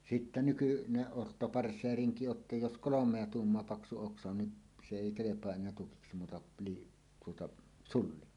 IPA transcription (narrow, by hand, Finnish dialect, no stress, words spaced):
sitːæ nykyneʔ ʔotːopɑrsːeːriŋki o tːɑ jos kolomˑeɑ tuːmːoɑ pɑksu oksɑ on ni se eˑi kelepˑoɑ enˑeæ tukiksi muːtɑ piː tuotɑ sulːi